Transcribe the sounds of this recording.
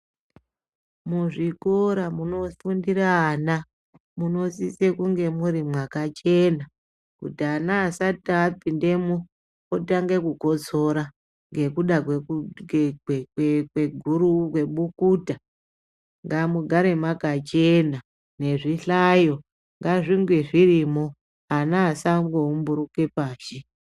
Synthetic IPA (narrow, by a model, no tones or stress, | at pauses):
muʐikoɾamuno̞fundiɾaːna | muno̞sise̞kuŋɡe̞muɾimwakat͡ʃe̞na | kutianaːsatapinde̞mu | otaŋɡe̞kuko̞t͡so̞ɾa | ŋɡe̞kuɗakwe | wwekweɡʱuɾukwe̞ɓukuːta | ŋɡamuɡʱaɾe̞makat͡ʃe̞na | ne̞ʐiɬajo̞ | ŋɡaʐiŋɡweʐirimo̞ | anaːsaŋɡoumbuɾuke̞paːʃe